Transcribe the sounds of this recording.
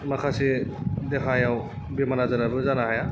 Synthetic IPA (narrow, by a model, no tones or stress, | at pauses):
makʰasid̪ekʰajaw | bimanazɯɾabuzanaɦaja